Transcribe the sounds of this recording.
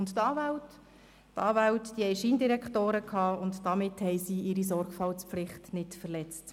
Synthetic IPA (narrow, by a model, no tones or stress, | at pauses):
ʊnttɑːvæwt | tɑːvæwtd̥ihɛɪʃiːndiɾɛkχtoːɾəkʰhɑːʊntd̥ɑmɪthɛɪsiːʔɪɾis̬ɔɾɡ̥fɑlt͡spflɪχtnɪtfɛɾlɛt͡st